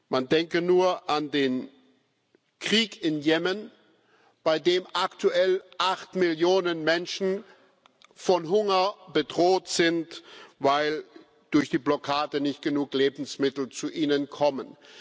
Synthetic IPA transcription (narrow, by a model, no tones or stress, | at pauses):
mandɛŋkənuːɐʔandeːn | kʁ̥iːkɪnjɛmən | b̥aɪdeːmʔaktʰuʔɛlʔaχtmɪljoːnənmɛnʃn̩ | fɔnɦʊŋɐb̥ədʁoːtz̥ɪntvaɪl | d̥ʊɐçd̥iːblɔkʰaːdənɪçtɡ̥ənuːkleːbn̩smɪtl̩t͡suʔiːnənkʰɔmən